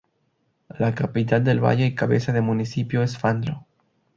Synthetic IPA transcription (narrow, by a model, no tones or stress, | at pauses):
lakapit̪ald̪e̞lβa̰ʝeikaβe̞̰saðemunisipjoes̬fand̪ɾo